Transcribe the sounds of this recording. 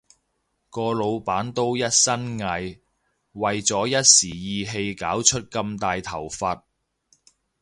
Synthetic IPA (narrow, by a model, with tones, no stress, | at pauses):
kɔː˧lo˨˧wpaː˨˥nt̪o˥wjɐ˥t̚sɐ˥nŋɐ˧j | wɐ˨jt͡sɔː˨˥jɐ˥t̚siː˨˩jiː˨˧ɦe˧jkaː˨˥wt͡ʃʰɵ˥t̚kɐ˧mt̪aː˨jt̪ʰɐ˨˩wfɐ˧t̚